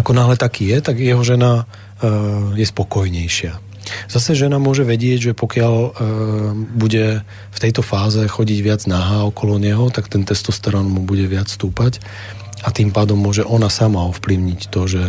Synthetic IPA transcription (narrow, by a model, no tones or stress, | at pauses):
akɔnaːɦlɛt̪akiːjɛt̪aɡjɛɦɔʒɛna | jɛspɔkɔjɲɛjʃɪa | z̥asɛʒɛnamʊɔʒɛʋɛɟɪɛɟʒɛpɔkɪaʎ | buɟɛ | ft̪ɛjt̪ɔfaːzɛxɔɟiɟʋɪad͡znaɦaːɔkɔlɔɲɛɦɔt̪akt̪ɛnt̪ɛst̪ɔst̪ɛɾɔnɔmɔbuɟɛʋɪat͡sst̪uːpac | at̪impaːd̪ɔmːʊɔʒɛʔɔnasamaɔfpliʊɲict̪ɔʒɛ